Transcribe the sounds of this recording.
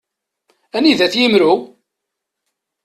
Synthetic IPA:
æniðæθjimɾu

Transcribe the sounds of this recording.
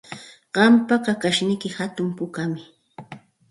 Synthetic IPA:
ɢ̥ɑmpakakaʃnɪkɪhat̪ʊmpʊkamɪ

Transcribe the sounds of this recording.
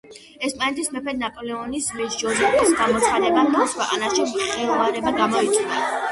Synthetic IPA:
ɛspʼanɛt̪ʰismɛpʰɛd̪napʼɔlɛɔnismɛsd͡ʒɔɾitʼisɡamɔt̪sʰχad̪ɛtbat̪ʰɔskʰwɛqʼa̰naʃimχɛlˠvaɾɛbaɡamɔit̪ʼina

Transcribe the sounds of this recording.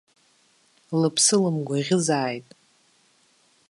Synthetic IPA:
lɨpʰsɨlɨmɡʷaʁʲɪzaːjtʼ

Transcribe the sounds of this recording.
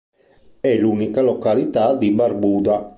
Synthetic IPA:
ɛlunikalɔkalit̪ad̪ibaɾbuːd̪a

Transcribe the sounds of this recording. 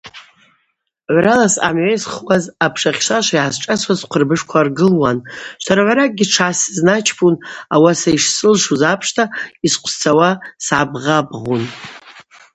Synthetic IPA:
ʕʷralasa̰mʕejsχwazapʰʂaχʲʃʷaʃʷaijʕazʈ͡ʂʼasʰʷazqʷʰərbɨʂkʷʰarɡɨlwanʃʷaɾaʕʷaɾak̚ʼɡʲiʈ͡ʂʰʕasznat͡ʃʰpʰunawasaiʂsɨlʂuzapʰʂtʰaisqʷʰst͡sʰawasʕabʁabʁun

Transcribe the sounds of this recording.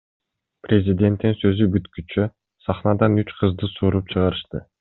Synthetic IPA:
prʲezʲid̪ʲe̞nt̪ːinsø̞zybyt̪kyt͡ʃø | sɑχnɑd̪ɑnyt͡ʃqʰɯzd̪ɯsuːɾup̚t͡ʃʰɯʁɑɾɯʃt̪ɯ

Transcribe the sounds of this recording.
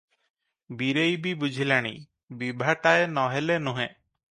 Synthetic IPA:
biɾejbibud͡ʒʱilaɽ̃ḭ | bibʱaʈaenɔɦelenuɦẽ

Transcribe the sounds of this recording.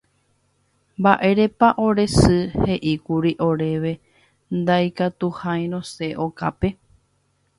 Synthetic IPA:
mbaʔe̞ɾe̞paʔo̞ɾe̞sɨhe̞ʔikuɾiʔo̞ɾe̞ʋe̞ | nd̪ajkat̪uhaj̃ɾ̃õse̞ʔoka̰pe̞

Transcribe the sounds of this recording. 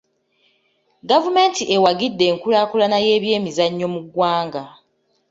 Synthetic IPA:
ɡavume̞ːntiʔe̞waɡidːe̞ːŋkulaːkulanaje̞ːβje̞ːmizaɲːo̞muɡwaːŋɡa

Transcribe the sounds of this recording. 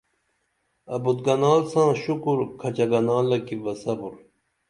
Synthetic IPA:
ɐbut̪̚ɡɐnaːlsãːɕukuɾkʰɐt͡ɕɐɡɐnaːlɐkibɐsɐbuɾ

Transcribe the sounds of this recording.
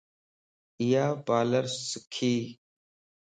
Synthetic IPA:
ɪjaːbaːləɾsɪkʰiː

